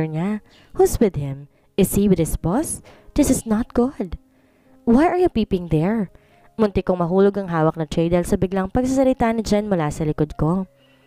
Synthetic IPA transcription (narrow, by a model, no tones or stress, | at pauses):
ɹɲa | hʊswɪd̪hɪ̃m | ɪshiwɪd̪ɪsbɔsd̪̥ɪsɪsnɔt̪̚ɡ̥ʊd̪ | wajʔɐɹjupiːpɪ̃ŋd̪ɛɹ | mʊnt̪ɪkoŋmɐɦuːloɡɐŋɦaːwɐk̚nɐt̪ɹejd̪ɛlsɐbɪɡlaŋpɐɡ̚sasɐlɪt̪aːnɪd͡ʒanmʊlasɐlɪkod̪̚ko̞